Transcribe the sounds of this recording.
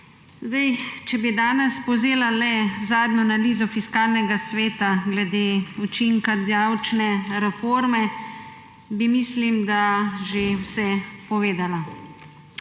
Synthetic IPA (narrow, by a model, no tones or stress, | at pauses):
zd̪ajt͡ʃɛbid̪aːnɛspɔzeːlalɛzaːd̪nɔnaliːzɔfiskaːlnɛɡasʋeːt̪aɡlɛd̪eːut͡ʃiŋkad̪awt͡ʃnɛɾɛfoɾmɛ | bimislimd̪aʒewsɛpɔʋeːd̪ala